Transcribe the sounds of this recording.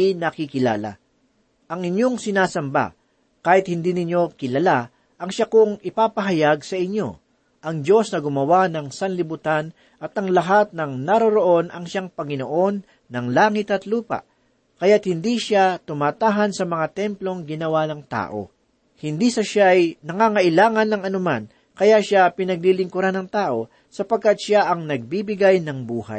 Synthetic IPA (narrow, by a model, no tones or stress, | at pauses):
ɪnɐkɪkɪla̰ːla̰ | ʔɐŋɪɲjo̞ŋsɪnaːsɐmba̰ | kaːhɪt̪hɪnd̪iːnɪɲjo̞kɪlɐla | ʔɐŋʃakʊŋɪpaːpɐɦɐjaɡsɐʔɪɲːo̞̰ | ʔɐŋd͡ʒo̞snɐɡʊmɐwanɐŋsɐnlɪbʊt̪an | ʔɐt̪ɐŋlɐɦat̪̚nɐŋnɐɾoɾoʔo̞nɐŋʃaŋpɐŋɪnoʔo̞nː | ɐŋlaːŋɪt̪ɐt̪luːpɐ̰ʔ | kɐjat̪̚hɪnd̪iːʃat̪ʊmaːt̪aːɦɐnsɐmɐŋat̪ɛmplo̞ŋɡɪnɐwanɐŋt̪a̰ːʔo̞̰ | hɪnd̪isɐʃaʔɐjnɐŋaŋɐʔɪlaːŋɐnːɐŋɐnʊman | kɐjaʃapɪnɐɡ̚lilɪŋkʊɾanːɐŋt̪aːʔo̞ | sɐpɐɡ̚kat̪̚ʃaʔɐŋnɐɡ̚bibɪɡajnɐŋbuːha̰j